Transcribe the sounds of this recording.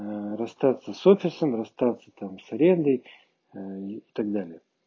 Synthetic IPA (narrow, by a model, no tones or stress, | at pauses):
ɾɐst̪at̪səsofʲɪsəmrɐst̪at̪sːət̪amsɐɾʲe̞nd̪əj | ɪt̪aɡ̚d̪alʲɪjə